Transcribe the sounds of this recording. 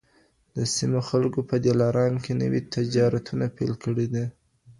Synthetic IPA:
d̪̥əsimoxalkopəd̪elɑɾɑnkenə̰wit̪ɪd͡ʒɑɾat̪unapelkəɽed̪i

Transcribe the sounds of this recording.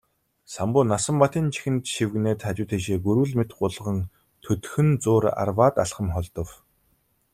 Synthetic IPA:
sampʊːnasə̆mpat̪iːnt͡ɕʰi̥xɘ̆nt̪ʃiwɣneːt̪χat͡ɕʊːt̪ʰeʃeːɡɵɾwɘ̆ɮmet̪ɢʊɮ̆ʁə̆n | t̪ʰɵt̪xɘ̆nt͡sʊːra̰rwaːt̪a̰ɬχə̆mχɔɮt̪ɞ̆w

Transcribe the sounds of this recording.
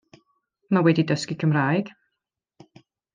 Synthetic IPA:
mawɛdidəskikʰəmraːjɡ̥

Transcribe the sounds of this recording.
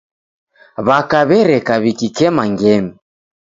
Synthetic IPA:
βakaβɛɾɛkaβikikɛmaŋɡɛmi

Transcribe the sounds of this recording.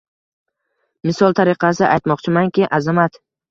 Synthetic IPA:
mɪsɒlˠt̪ʰaɾɪqʰɑsɪʔajt̪mɒqt͡ʃʰɪmaŋkʲɪʔazamat̪

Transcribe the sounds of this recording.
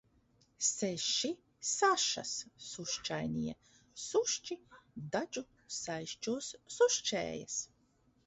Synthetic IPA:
seʃi | saʃa̰sːuʃt͡ʃajniɛ | suʃt͡ʃid̪ad͡ʒu | sajʃt͡ʃusːuʃt͡ʃɛ̰ːja̰s

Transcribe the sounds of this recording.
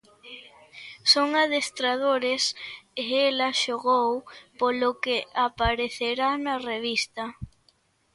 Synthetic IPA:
soŋaðest̪ɾaðoɾesɪelɐʃoɣowpolokeapaɾeθeɾanɐreβist̪ɐ

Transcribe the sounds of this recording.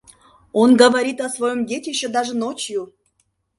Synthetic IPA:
onɡəvɐɾʲit̪ɐsvɐjomdʲetʲɪɕːed̪aʐɨnot͡ɕju

